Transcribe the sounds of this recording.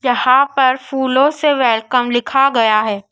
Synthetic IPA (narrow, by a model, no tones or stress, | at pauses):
jɐɦãpɐɾfuːlõseʋɛːlkəmlɪkʰaɡɐjaɦɛː